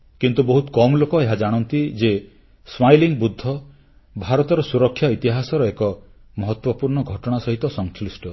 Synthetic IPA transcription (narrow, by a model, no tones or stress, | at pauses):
kint̪ubɔɦut̪kɔmlokɔeɦad͡ʒaɽ̃ɔnt̪id͡ʒe | smajliŋbud̪ʱːɔ | bʱaɾɔt̪ɔɾɔsuɾɔkʰːjait̪iɦasɔɾɔekɔ | mɔɦɔt̪wɔpuɾɳɔɡʱɔʈɔɽ̃asɔɦit̪ɔsɔŋslisʈɔ